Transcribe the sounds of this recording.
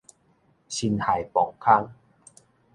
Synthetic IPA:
ɕi˧nha˨˩jpɔ˨˩kʰːa˦˥ŋ

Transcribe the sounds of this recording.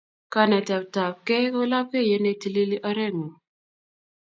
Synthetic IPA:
ka˦nɛ˨tɛ˨p̚ta˨p̚kɛ˦ko˦la˦p̚ke˦˨je˦ne˨ti˨li˦li˦ʔa˦ɾɛ˦ŋo˨

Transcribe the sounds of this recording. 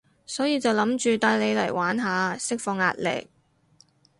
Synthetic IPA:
sɔː˨˥jiː˧t͡sɐ˨wlɐ˨˥mt͡ʃyː˨t̪aː˧jle˨˧jlɐ̰˨˩jwaː˨˥nɦaː˨˧sɪ˥k̚fɔː˧ŋːa̰ː˧t̚lɪ̰˨˩k̚

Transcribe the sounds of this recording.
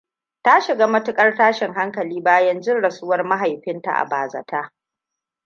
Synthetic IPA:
ta˦ʃɪ˨ɡaː˦mɐ˦tʊ˦kʼɐ˦rtaː˦ʃɪ˨ŋɦa˦ŋkɐ˨liː˦baː˦jɐ˦nd͡ʒɪ˦nɽɐ˨su˦wɐ˦rma˦ɦa˨jɸɪ˦nta̰˨ʔa̰˨baː˨zɐ̰˨tʰaː˦

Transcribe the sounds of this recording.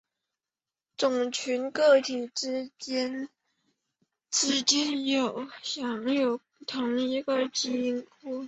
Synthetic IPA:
t͡sʊ˨˩ŋt͡ɕʰy˧˥nkɤ˥˩t̪ʰi˨˩ʈ͡ʂɻ̩˥t͡ɕjɛ˥n | ʈ͡ʂɻ̩˨˩t͡ɕɛ˥njo˨˩ʊɕjɑ˨˧˥ŋjo˨˩ʊu˥˩t̪ʰʊ˧˥ŋi˧˥ɡə˧t͡ɕi˧˥˧ŋkʰu˥˩

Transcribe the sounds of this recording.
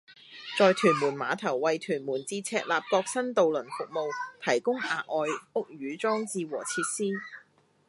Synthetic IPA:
t͡sɔː˨˧jt̪ʰyː˨˩nmuː˨˩nmaː˨˧t̪ʰɐ˨˩wːɐ˨jt̪ʰyː˨˩nmuː˨˩nt͡siː˧t͡sʰɛː˧t̚laː˨p̚kɔː˧k̚sɐ˥nt̪o˨wlɵ˨˩nfʊ˨k̚mo˨wt̪ʰɐ˨˩jkʊ˥ŋaː˨˧ʔɔː˨˧jʊ˥k̚jyː˨˧˥t͡sɔː˥ŋt͡siː˧wɔ̰ː˨˩t͡sʰiː˧t̚siː˥

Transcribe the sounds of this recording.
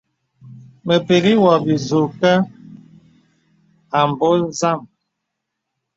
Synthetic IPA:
mə˨pe˨ɡi˦wɔ˨bi˨zu˨ka˦ | a˨m˨bo˦za˦˨m

